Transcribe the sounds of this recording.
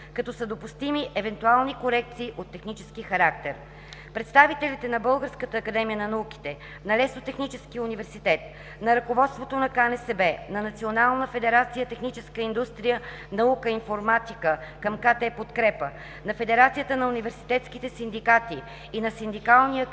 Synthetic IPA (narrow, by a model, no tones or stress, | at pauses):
kɐt̪ɔsəd̪opust̪imiʔɛvɛnt̪ualˠnikoɾɛk̚t̪siːʔot̪ːɛxnit͡ʃɛ̥skixɐɾak̚t̪ɛɾ | pɾɛt̪st̪avit̪ɛlit̪ɛnɐbɤlˠɡəɾskət̪əːkɐd̪ɛmijənɐnɐuki̥t̪ɛ | nɐlɛsnot̪ɛxnit͡ʃɛsk̟iunivɛɾsit̪ɛt̪̚ | nɐɾɐkovɔt̪st̪vot̪onɐkanɛsɛbɛnɐnɐt̪sionalˠnəfɛd̪ɛɾat̪sijət̪ɛxnit͡ʃɛskəind̪ust̪ɾijə | nɐukəinfoɾmat̪ikəkəmkat̪ɛpot̪kɾɛpə | nɐfɛd̪ɛɾat̪sijət̪ənɐunivɛɾsi̥t̪ɛt̪skit̪ɛsind̪ikat̪iː | nɐsind̪ikalˠnijə